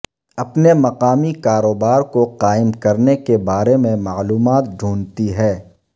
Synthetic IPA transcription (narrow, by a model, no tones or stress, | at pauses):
ɐpnemɐqaːmikaːɾoːbaːɾkoqaːɪmkɐɾnekebaːɾemẽmaːluːmaːt̪̚ɖʱuːnt̪iɦɛː